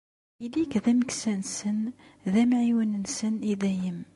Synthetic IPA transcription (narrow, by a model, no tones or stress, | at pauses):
ilːikðæməksænsənðæmʕiwənənsəniðæjəm